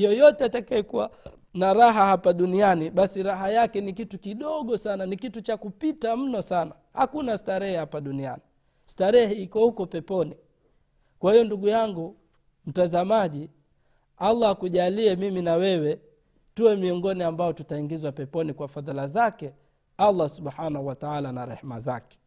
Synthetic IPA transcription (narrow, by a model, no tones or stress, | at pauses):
jɔjɔtɛatakajɛkuwa | naɾaɦahapaɗunianiɓasiɾaɦajakɛnikitukiɗɔɠɔsananikitut͡ʃakupitam̩nɔsana | hakunastaɾɛhɛhapaɗunia̰ni | staɾɛhɛikɔhukɔpɛpɔni | kwahijɔnduɡujaŋɡu | m̩tazamaʄi | alˠːakuʄaliɛmiminawɛwɛ | tuwɛmiɔŋɡɔniambajɔtutaiŋɡizwapɛpɔnikwafaðlazakɛ | alːasuɓħanahuwataalanaɾɛ̰hma̰zakɛ̥